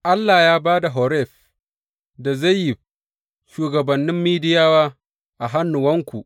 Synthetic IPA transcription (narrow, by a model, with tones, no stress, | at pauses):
ʔa˦lːaː˨jaː˦baː˦da˨ɦɔ˨ɾɛ˦˨ɸ | da˨za˦jjɪ˨ | ʃuː˨ɡɐ˨bɐ˨nːɪ˦mːiː˦dɪ˦jaː˦waː˦ | ʔa˨ɦa˦nːʊ˨wɐ˦ŋkʷu˨ʔ